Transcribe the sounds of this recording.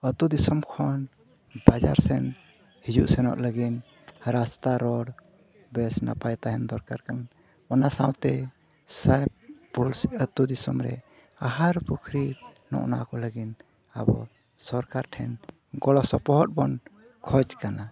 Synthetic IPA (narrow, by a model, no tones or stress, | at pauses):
ət̪ud̪isɔmkʰɔn | bad͡ʒa̰ɾsɛn | hid͡ʒuʔsɛnɔ̰ʔləɡin | ɾast̪aɾɔɽ | bɛsna̰pajt̪aɦɛnd̪ɔɾkaɾkan | ɔnasãwt̪ɛ | sajpulsət̪ud̪isɔmɾɛ̰ | aɦaɾpukʰɾinɔ̰ʔna̰kɔləɡin | a̰bɔ̰ | sɔɾkaɾʈʰɛn | ɡɔlɔsɔpɔɦɔt̪̚bɔn | kʰɔd͡ʒkana